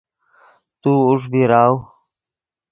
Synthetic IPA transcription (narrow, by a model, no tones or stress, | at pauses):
t̪uuʂ̬biɾaːw